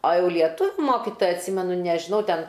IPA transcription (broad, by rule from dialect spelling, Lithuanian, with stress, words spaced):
oː ˈjɛʊ lʲiɛˈtʊʋʲʊ ˈmoːkʲɪtoːjɛ ɐtʲˈsʲɪmʲɛnʊ nʲɛʒʲɪˈnɐʊ ˈtʲɛn